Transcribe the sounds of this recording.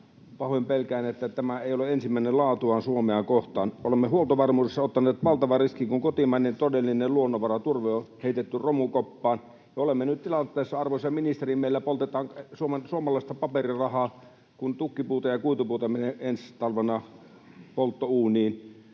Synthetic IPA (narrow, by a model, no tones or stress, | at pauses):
pɑhoimpelkæˑenet̪ːæt̪æmæeˑioleensimːæˑinelɑːt̪uɑːnsuomeɑːkoht̪ɑ̰ːnʔolemːehuolt̪oʋɑrmuːesːɑot̪ːɑnˑeːt̪ʋɑlt̪ɑʋɑriskiŋkuŋkot̪imɑˑnːent̪odelːineluonːoʋɑrɑt̪urʋeoheˑit̪et̪ːyromukopːɑːn | jɑolemːenyt̪t̪ilɑnt̪ːˑeːˑsːɑɑrʋosːɑjɑminist̪erimːeˑilːæpolt̪et̪ɑːŋsuomensuomɑlɑˑist̪ɑpɑperirɑhɑː | kunt̪ukːipuːt̪ɑjɑkuit̪upuːt̪ɑmeneenst̪ɑlʋenɑ | polt̪ːouːniːn